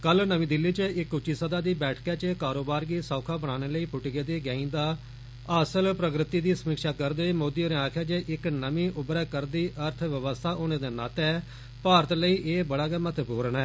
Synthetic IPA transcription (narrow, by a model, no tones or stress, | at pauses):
kəlnəmĩːd̪ɪlːiːt͡ʃəɪkʊt͡ʃːiːsəd̪aːd̪iːbɛːʈʰkɛːt͡ʃəkaːɾoːbaːɾɡiːsɔːkʰaːbəɽ̃aːneːləiːpʊʈɡeːd̪eːɡɛ̃ːĩːd̪aː | əsəlpɾəkɾɪt̪iːd̪iːsəmikʃaːkəɾd̪eːmoːd̪iːoːɾẽãːkʰɛːd͡ʒeːʔɪknəmĩːʔʊbɾɛːkəɾd̪iːʔəɾt̪ʰʋəʋəst̪ʰaːʔoːneːd̪eːnaːt̪ɛː | paːɾət̪ləiːʔeːbəɽaːɡɛːmət̪buːɾənɛː